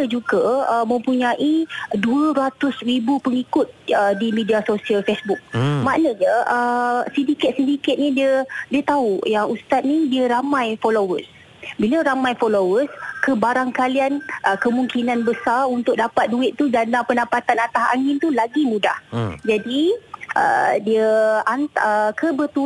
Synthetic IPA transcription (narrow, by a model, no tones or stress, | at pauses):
əd͡ʒuɡaəmə̃mpuɲãʔiduəɾat̪ʊsribupəŋikʊt̪̚ədimidiasosialfesbuk̚maʔnəɲəʔəsidikɪt̪̚sidikɪt̪̚nidiədiət̪aujaŋust̪at̪̚nidiəɾamãjfolowəs | biləɾamãjfolowəskəbaɾaŋkalianʔəkəmũŋkinãnbəsarunt̪ʊk̚dapat̪̚duɪt̪̚t̪ːud͡ʒanapənapat̪anat̪aɦa̰ŋɪnt̪ulaɡimũda̰hd͡ʒadiʔə̰diəant̪əkʰəbət̪u